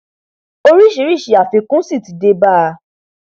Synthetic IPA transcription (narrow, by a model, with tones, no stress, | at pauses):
o˧ɾi˦˨ʃi˨˦ɾi˦˨ʃi˨a˨fi˧kũ˦si˦˨ti˨de˧ba˦˧